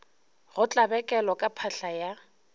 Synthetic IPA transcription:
ɣʊt͡ɬʼabɛkʼɛlɔkʼapʰaɬaja

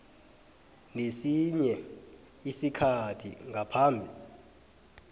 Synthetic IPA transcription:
nesiɲɛ | isikʰatʰḭŋʱapʰaːmbʱi

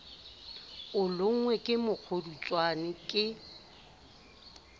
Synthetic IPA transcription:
ʊlʊŋ̩ŋwɛkʼɪmʊk͡xʰodut͡sʼwanɪkʼɪ

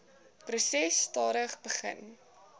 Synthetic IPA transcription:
prusɛstɑːɾəχbəχə̰n

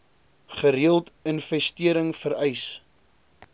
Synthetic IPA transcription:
χəɾiəlˠtənfɛstiəɾəŋfəɾɛjs

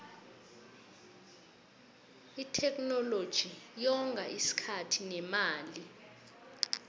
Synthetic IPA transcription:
itʰɛk̬ʼnɔlod̥ʒ̥ʱijɔŋɡʱaʔisi̥kʰatʰinɛmaːli

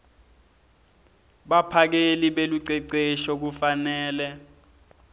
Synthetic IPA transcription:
ɓapʰak̬eliɓeluǀɛǀeʃɔk̬ufanɛːlɛ

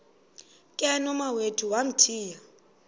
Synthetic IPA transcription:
kʼɛnɔmawetʰuwam̩tʰiːja

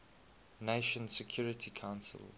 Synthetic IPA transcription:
neɪʃə̃nsɛkʰj̥uːɹɪtʰikʰãʊ̃nsə̰l

